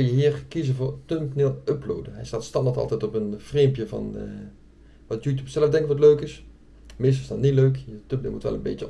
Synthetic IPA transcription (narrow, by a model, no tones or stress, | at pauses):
ɪljəɦiːrkizəvoːrtømpnɪlˠøplo̰ːdəɦɛjstaːtstɑndatɑ̰lˠtɛtɔpənfreːmpjəvɑ̰n | ʋɑtjuːtjupsɛləfdɛŋkəʋɔtløːkɪs | mɪs̬tɪsdɔtniløːkətømp̚nɪ̰lˠmṵtʋɛ̰lənbɪ̰ːtjə